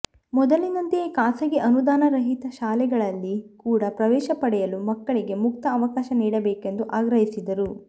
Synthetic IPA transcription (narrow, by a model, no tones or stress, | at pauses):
mɔd̪ɐlinɐnt̪ekaːsɐɡe̞ʔɐnud̪aːnɐɾɐɦit̪ɐʃaːlɛɡɐɭɐlːikuːɽɐpɾɐʋɛːʃɐpɐɽɛjɐlumɐkːɐɭiɡe̞muk̚t̪ɐːʋɐkaːʃɐniːɽɐbeːke̞nd̪uʔaːɡɾɐɦisid̪ɐɾu